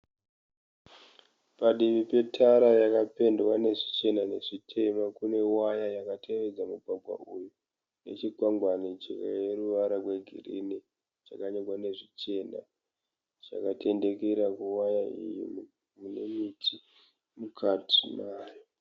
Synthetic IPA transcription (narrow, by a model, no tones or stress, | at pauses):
paɗiʋipe̞tʰaɾajakape̞ndwane̞ʐit͡ʃe̞nane̞ʐitʰe̞makune̞wajajakatʰe̞ʋe̞d͡zamuɡʱwaɡʱwa̰ʔuju | ne̞̰t͡ʃiɡʱwaŋɡwanid͡ʒika̰je̞ɾuʋaɾakwe̞ɡʱḭrḭni | t͡ʃakaɲokwane̞ʐit͡ʃe̞na̰ | t͡ʃa̰kate̞nde̞keɾakuwajaḭjḭm | munemitʰi | mukʰatʰinaːjo